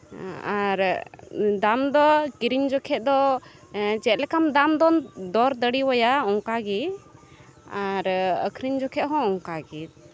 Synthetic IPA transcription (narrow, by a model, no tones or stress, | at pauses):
aɾ | d̪amd̪ɔkiɾiɲd͡ʒɔkʰɛt̪̚d̪ɔ | t͡ʃɛt̪̚lɛkamd̪amd̪ɔnd̪ɔɾd̪əɽiwɔjaɔŋkaɡit̪ | aɾə̰kʰɾiɲd͡ʒɔkʰɛt̪ɦɔ̃ɔŋkaɡit̪̚